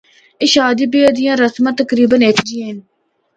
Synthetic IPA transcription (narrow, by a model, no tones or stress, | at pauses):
ɪːʃaːd̪iːbiːəd̪ɪjãːɾəsmãːt̪əkɾiːbəneːt̪ʰd͡ʒijãːɦɪn